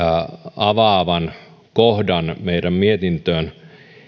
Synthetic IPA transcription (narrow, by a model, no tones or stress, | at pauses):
ɑʋɑːʋɑn | kohdɑnmeidæmmiet̪int̪øːn